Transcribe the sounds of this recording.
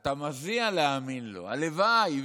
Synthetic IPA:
t̪amazialeaminlo̰a̰levaj

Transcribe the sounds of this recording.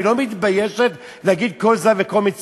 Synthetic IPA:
lomit̪bajeʃet̪ | lehaɡid̪̚ko̞lzaveko̞lmit͡s

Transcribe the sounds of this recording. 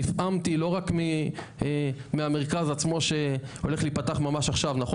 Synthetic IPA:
ifʔamt̪ilo̞ʁakmi | meame̞ʁ̞kazat͡smo̞ʃeo̞le̞χlipat̪aχmamaʃaχʃavnaχo

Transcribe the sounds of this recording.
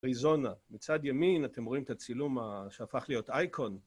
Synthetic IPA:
aʁizo̞namit͡sad̪jaminat̪emʁo̞imt̪at͡silumaʃeafaχlijo̞t̪ajkʰo̞n

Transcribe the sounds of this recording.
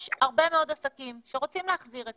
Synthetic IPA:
ʃaʁbe̞meo̞d̪asakimʃeʁot͡simleaχziʁet

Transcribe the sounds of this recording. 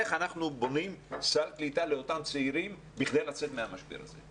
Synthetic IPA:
eχanaχnubo̞nimsaklit̪aleo̞t̪amt͡seiɾim | biχd̪ejlat͡set̪meamaʃbḭɾa̰zḛ

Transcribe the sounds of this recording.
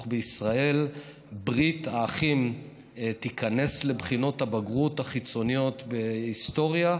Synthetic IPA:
beisʁae̞l | bʁitaːχim | t̪ikane̞sle̞bχino̞thabaɡʁut̪haχit͡so̞nijo̞t̪be̞ist̪o̞ʁja

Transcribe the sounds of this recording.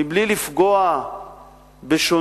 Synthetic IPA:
iblilifɡoa | beʃo

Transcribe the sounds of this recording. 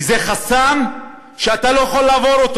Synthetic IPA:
zeχasam | ʃeat̪alojeχolːaːvo̞ɾot̪o

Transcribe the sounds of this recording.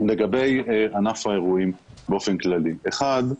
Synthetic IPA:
le̞ɡabe̞janafae̞ʁuimbeo̞fe̞nklalieχad̪

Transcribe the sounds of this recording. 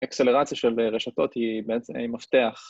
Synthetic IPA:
ekseleʁat͡sjaʃelʁeʃato̞t̪hibeesimaft̪eaχ

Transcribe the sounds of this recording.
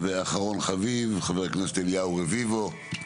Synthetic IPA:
veaχaʁo̞nχavivχaveʁkneset̪eljauʁevivo

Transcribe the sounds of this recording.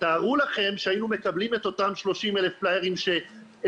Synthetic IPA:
taːʁulaχe̞mʃeainume̞kablime̞t̪o̞tamʃlo̞ʃimele̞fplajeʁimʃe̞

